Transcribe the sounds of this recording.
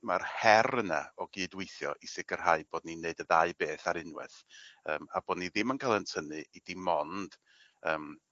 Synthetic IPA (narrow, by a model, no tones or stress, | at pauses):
marhɛrəna̰ɔɡɨːdwɪjθjɔ̰ʔisɪɡər̥ɦaɨb̥oːd̚nineɨdəðaɨbeːθaɾɪnwɨ̰θəːmab̥oːdniðɪmənkʰalˠəntʰənɨid̥imɔnd̥ | əːm